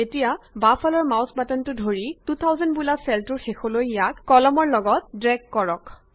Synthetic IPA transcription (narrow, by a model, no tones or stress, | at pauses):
etijabafʰalɔɹmawsbatɔntʊdʱoɹitut̪ʰawzɔnbulasɛltʊɹxexolojjakːɔlɔmɔɹlɔɡɔt̚dɹɛɡkːɔɹɔk